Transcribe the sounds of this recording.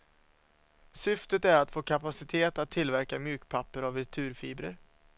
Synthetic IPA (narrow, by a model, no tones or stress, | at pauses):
sʏft̪ət̪æɾat̪foːkʰapasɪt̪ʰeːt̪at̪ʰːɪlvæɾkamjʉ̟ːkpʰapːəɾavɪt̪ʰʉ̟ːɾfiːbɾəɾ